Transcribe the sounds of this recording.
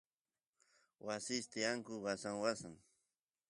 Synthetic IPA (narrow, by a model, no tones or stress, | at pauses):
wasɪst̪ɪjaŋkʊwasaŋwasaŋ